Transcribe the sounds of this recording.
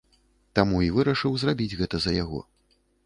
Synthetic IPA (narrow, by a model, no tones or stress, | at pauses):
t̪amuivɨɾɐʂɨwzrabʲid͡zʲɣɛt̪ɐzɐjaɣɔ̰